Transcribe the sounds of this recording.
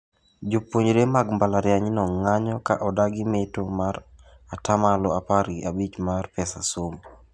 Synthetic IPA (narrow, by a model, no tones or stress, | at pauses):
d͡ʒopːoɲɾemaɡmbalaɾjaɲinɔŋaɲɔka̰ʔɔdaɡɪmetomaɾ | atamalɔapaɾɡiabit͡ʃmarpɛsa̰som